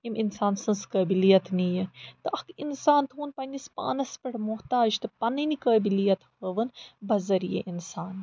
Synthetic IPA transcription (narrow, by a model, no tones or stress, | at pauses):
iminsaːnsɨnskɐːbilijɐt̪nijɐt̪ɨʔɐkʰinsaːnt̪ʰuːnpɐnʲispa̰ːnɐspɐɽmuɦt̪aːd͡ʒt̪ɨpɐnɨnikɐːbilijɐt̪hɐːʋɨnbɐzɐɾijɐ̰ʔinsaːn